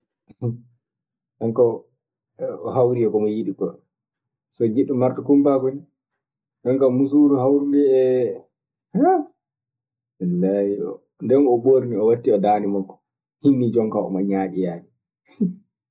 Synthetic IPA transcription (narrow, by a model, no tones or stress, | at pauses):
ʔɛŋkɔ | hawɾiɛkɔmɔjiɗikɔ | sɔɡiɗːumaɾtɔkumpakoni | ɗɛŋkamus̬uɾuhawɾulɛɛ | a | ɛlːaiɔ̰ | ndɛnɔboɾniɔwatːiɔdaːnimakːɔ̥ | hinːid͡ʒɔŋkaɔ̰maɲaːɗijaːɗi